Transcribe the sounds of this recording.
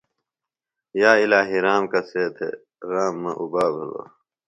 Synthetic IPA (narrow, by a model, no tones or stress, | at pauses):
jaːilaːɦiɾaːmkɐseːt̪ʰḛ | ɾaːmːɐʔubaːbʱɐlo̰ː